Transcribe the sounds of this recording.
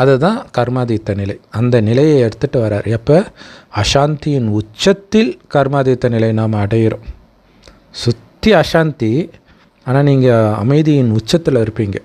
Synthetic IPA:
ɐðɐt̪ːãːkɐɾmaːðiːt̪ːɐnɪlɐɪɐnd̪ɐnɪlɐjɐɛɽɯt̪ːɯʈːɯʋɐɾaːɾɛpːoːɐʂaːnt̪ɪjɪnʊt͡ʃːɐt̪ːɪlkɐɾmaːðiːt̪ːɐnɪlɐɪnaːmɐːɽɐjɪɾõ̰ː | sʊt̪ːɪɐʂaːnt̪i | aːnaːniːŋɡɐɐ̰mɐɪðɪjɪnʊt͡ʃːɐt̪ːɪlɪɾɯpːiːŋɡɐ

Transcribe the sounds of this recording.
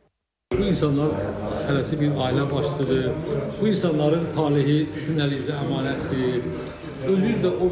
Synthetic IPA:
buinsɑnlˠɑɾt̪ʰæɾæsibiɾɑːilæbɑʃsɯd̪ɯb̥uinsɑnlˠɑɾɯnt̪ʰɑːliɦisinæliziæmɑːnæt̪ʰd̪i | øzyyzd̪æʔo

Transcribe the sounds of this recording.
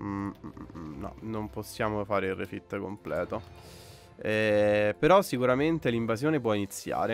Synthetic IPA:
nɔ̰nomposːjaːmofaːɾeilrːefit̪ːkomplɛːt̪o | ɛpeɾɔsːikuɾament̪eliɱvazjoːnep̬wɔinit̪sːja̰ːɾe

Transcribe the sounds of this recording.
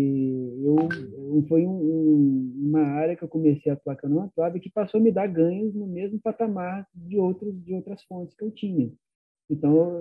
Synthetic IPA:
ewfojũũũmɐaɾjɐkɪewkomesejat̪uakɐ̃nd̪ũmɐt̪lad̪ɐkɪpasowɐmɪd̪aɾɡɐ̃ɲʊznʊmezmʊpat̪amaɾd͡ʒɪowt̪ɾʊsd͡ʒɪowt̪ɾɐsfõt͡ʃɪ̥skɪewt͡ʃĩɲɐ | ẽt̪ɐ̃w̃

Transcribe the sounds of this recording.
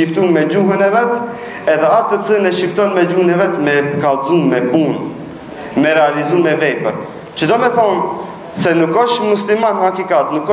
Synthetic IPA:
ipt̪umɛd͡ʑuɦənɛvɛt̪ | ɛðɛat̪ət͡sənɛʃipt̪ɔnmɛd͡ʒuhənɛvɛt̪mɛkalzumɛpun | mɛɾɛalizummɛvɛpəɾ | t͡ʃəd̪ɔmɛθɔn | sɛnukɔʃmuslimanɦakikat̪nukːɔ

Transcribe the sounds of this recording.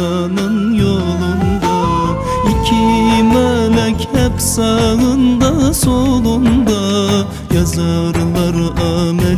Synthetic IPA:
ɑ | nɯnjo | lˠund̪ɑ | ikʲʰimølɛkʲʰæpsɑlˠɯnd̪ɑsolˠund̪ɑ | jɑzɑɾlˠɑɾʔɑmæ

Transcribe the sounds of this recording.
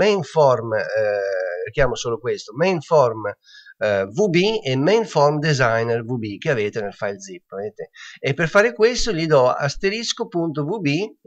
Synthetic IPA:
ɛiɱfɔɾm | rikjaːmosoːlokwest̪omɛiɱfɔɾm | vubiɛmːɛiɱfɔɾmd̪ezajnɛrvubikeaveːt̪enelfajld̪zipːaveːt̪eepːeɾfaːɾekwest̪oʎid̪ɔa̰st̪eɾiskopunt̪ovubi

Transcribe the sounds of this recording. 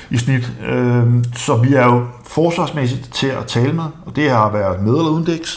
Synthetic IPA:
isnid̥øsɒ̽ʋiæɐjo̝ | fɒːsʋɑ̈smes̬id̥t͡sʰe̝læt͡sʰɛːləmeðˠɒ̽d̥e̝hɑ̈ʋæɐð̩ˠme̝ð̞ˠelɐuðˠn̩d̥eɡ̥s

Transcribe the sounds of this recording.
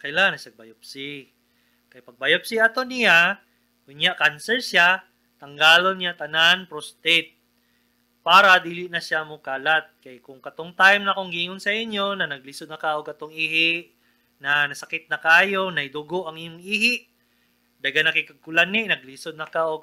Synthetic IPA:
kɐjlanɐʃɐɡ̚bajop̚si | kɐjpɐɡ̚bajop̚siɐt̪onɪja | kʊnjaʔkansɛɹsja | t̪ɐŋɡaːlonat̪ɐnanpɾost̪ɛt̪̚ | paːɾɐd̪iːlɪʔnɐʃamʊkaːlat̪̚kɐjkʊŋkɐt̪oŋt̪ajmnɐɐkoŋɡiːŋonsɐʔɪɲjo̞nɐnɐɡ̚lisod̪nɐkaʔoɡ̚kɐt̪oŋiːhɪʔ | nɐnɐsɐkɪt̪̚nɐkaːjo̞nɐjd̪ʊɡoʔɐŋɪjoŋiːhɪʔ | d̪ɐɡanɐkɪkɐɡ̚kʊlanɪʔnɐɡ̚lisod̪̚nɐkaʔoɡ̚

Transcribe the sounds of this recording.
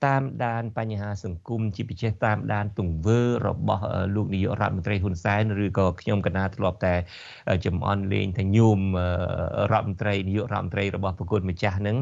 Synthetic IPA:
t̪aːmɗaːnpaɲːɦaːsɑŋkumt͡ɕiəpit͡ɕɛːht̪aːmɗaːnt̪uŋʋəːrɔ̰ɓɑhʔəːloːk̚nijuəʔrŏət̪̚mont̪rəjɦunsaɛnrɨːkɑːkʰɲomkanːaːt̪ʰlŏəp̚t̪aɛ | ʔəːt͡ɕɑmʔɑ̰nlḛːɲt̪ʰaːɲuːmʔəːrŏət̪̚mont̪rəjnijuəʔrowət̪̚mont̪rəjrɔɓɑhpɔkuət̪̚mət͡ɕahnɨŋ

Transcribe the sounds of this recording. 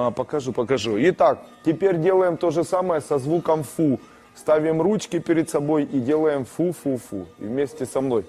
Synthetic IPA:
pɐkɐʐupɐkɐʐuɪt̪ak̚tʲɪpʲeɾʲdʲe̞lˠəjɪmt̪o̞ʐɨsaməjəsɐzʋukəmfu | st̪avʲɪmrut͡ɕkʲɪpʲɪɾʲɪd̪sɐbo̞jidʲe̞lˠəjɪmfufufṵvmʲesʲtʲɪsɐmno̞j

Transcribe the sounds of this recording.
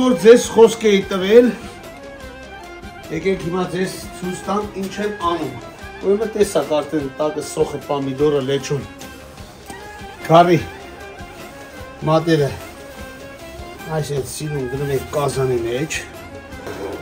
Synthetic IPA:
ɔɾd͡zɛzχɔskɛit̪əvɛl | jɛkɛkhimɑd͡zɛzt͡sʰujt͡sʰt̪ɑnt̪int͡ʃʰɛnɑnum | ɔɾmət̪ɛsɑkɑɾt̪ɛnt̪ɑkəsɔχəpɑmid̪ɔɾəlɛt͡ʃʰum | ɡ̥ʰɑri | mɑt̪nɛɾə | ɑjsɛnsiɾumɡənumɛkkːɑzɑnimɛt͡ʃʰ

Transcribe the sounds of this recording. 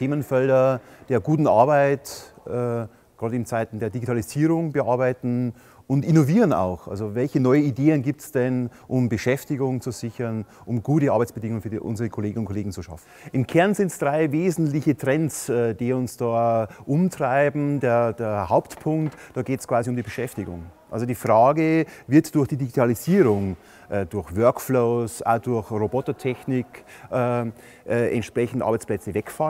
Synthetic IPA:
tʰeːmənfɛldɐd̥eːɐɡuːtn̩a̰ɐbaɪtɛ | ɡ̥ʁɑːdɪnt͡saɪtn̩deːɐdiɡitʰaːliziːʁʊŋbəʔaɐbaɪtn̩ | ʔʊntɪnoviːʁəna̰ʊxʔa̰lzovɛlçənɔʏənideːənɡiːp̚tsd̥ɛnʔʊmbəʃɛftɪɡʊŋt͡suz̥ɪçɐnʔʊmɡuːtəʔɑɐbaɪt͡sb̥ədɪŋʊŋənfyːɐʔʊ̰nzəʁəkʰoleːɡəŋʊntkʰoleːɡŋ̩t͡suʃa̰fn̩ʔɪmkʰɛɐnzɪntsd̥ʁaɪveːzn̩tlɪçətʁ̥ɛnsɛːd̥iːʊnsd̥aːʔʊmtʁ̥aɪbm̩deːɐd̥eːɐhaʊptpʰʊŋktd̥ɑːɡeːtskv̥aːziʊmdiːbəʃɛftɪɡʊ̰ŋʔa̰lzodiːfʁaːɡəvɪɐtd̥ʊɐxd̥iːdiɡitʰaliziːʁʊŋ | ʔɛːd̥ʊɐçvœɐkfloːsʔa̰dʊɐçʁobɔtɐtʰɛçnɪkʔɛː | ʔɛːʔɛ̰ntʃpʁ̥ɛçn̩ta̰ɐbaɪt͡splɛt͡səvɛkfal

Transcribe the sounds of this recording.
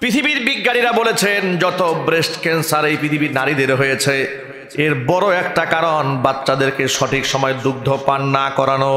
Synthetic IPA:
pɾit̪ʰibiɾbiɡːaɽiɾabolet͡ɕʰend͡ʑɔt̪obɾesʈkɛnsaɾejpɾit̪ʰibiɾnaɾid̪eɾɦojet͡ɕʰe | eɾbɔɾoɛkʈakaɾonbatːɕad̪eɾkeʃɔʈikʃɔmɔed̪uɡ̚d̪ʱopanːakɔɾano

